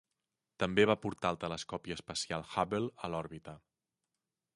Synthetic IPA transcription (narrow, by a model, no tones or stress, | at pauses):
t̪əmbeβ̞apuɾt̪alˠt̪ələskɔpiəːspəsialˠxaβelˠəlɔɾβit̪ə